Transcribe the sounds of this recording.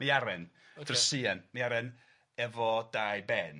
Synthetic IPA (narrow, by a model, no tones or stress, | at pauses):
miaɾɛn | d̥rsiːanmiaɾɛn | ɛvɔdajbɛn